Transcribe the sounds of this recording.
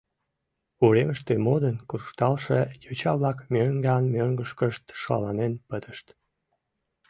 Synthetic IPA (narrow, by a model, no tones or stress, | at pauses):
uɾeməʃt̪emod̪ənkuʃt̪ɑlʃejot͡ɕɑβlɑkmʲøŋɡɑnmøŋɡəʃkəʃt̪ʃɑ̰lɑnenpət̪əʃt̪